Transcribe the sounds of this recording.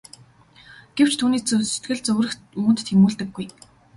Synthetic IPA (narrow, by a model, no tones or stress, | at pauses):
ɡ̥ew̥t͡ɕʰt̪ʰuːniːt͡sset̪ɡɘ̆ɮt͡sɵɣrɘ̆x | uːɵ̆nt̪ːʰemuːɮt̪ɘ̆ɡːuj